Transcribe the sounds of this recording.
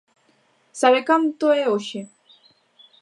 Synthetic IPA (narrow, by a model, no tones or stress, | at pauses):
saβekamt̪oeoɕi